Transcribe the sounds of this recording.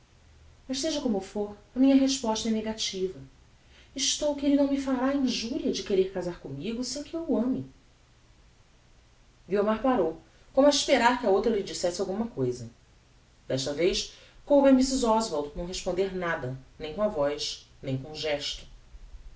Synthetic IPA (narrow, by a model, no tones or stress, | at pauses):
mɐʃseʒɐkõmʊfoɾɐmĩɲɐɦeʃpɔʃt̪ɐɛneɡat͡ʃivɐ | ɪʃt̪owkɪelɪnɐ̃w̃mifalaĩʒuɾiɐd͡ʒɪkeɾeɾkazaɾkõmiɡʊsẽkɪewuɐ̃mɪ | ɡiomaɾpaɾow | kõmʊɐiʃpeɾaɾkɪɐowt̪ɾɐlid͡ʒisɛsɪawɡũmɐkojzɐ | d̪̥ɛʃt̪ɐvejʃ | kõbemisizɔzvoɾd̪nɐ̃w̃ɦeʃpõnd̪eɾnad̪ɐnẽj̃kõɐvɔjʃ | nẽj̃kõʒɛʃt̪ʊ̥